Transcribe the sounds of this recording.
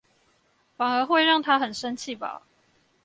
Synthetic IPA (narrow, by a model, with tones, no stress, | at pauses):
fa˨˩ŋə˨˦xwe˥˧ɪɻɑ˥˨˩ŋt̪ʰa˦˥xə˨˩nʂə˦nt͡ɕʰi˥˨ba̰˨˦